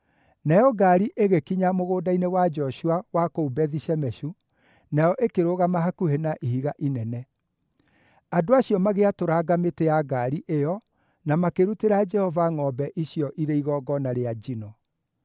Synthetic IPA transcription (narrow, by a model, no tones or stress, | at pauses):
najɔɡaɾiʔeɣekiɲamoɣoːdainewad͡ʒɔʃuawakoubɛðiɕɛmɛɕu | najɔʔekeɾoɣamaɦakuhenaʔihiɣaʔinɛnɛ | adoaɕjɔmaɣeatoɾaɡametejaɡaɾiʔejɔ | namakeɾuteɾad͡ʒɛhɔvaŋɔbɛʔiɕiɔʔiɾeiɣɔɡɔnaɾead͡ʒinɔ